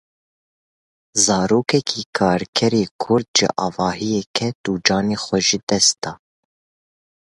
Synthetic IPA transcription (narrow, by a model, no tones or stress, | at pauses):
zɑːɾoːkɛkʰiːkʰɑːɾkʰɛɾeːkʰʊɾd̪ʒɪ̰ʔɑːvɑːhijɛkʰɛt̪uːd͡ʒɑːneːxʷɛʒid̪ɛst̪̚d̪ɑː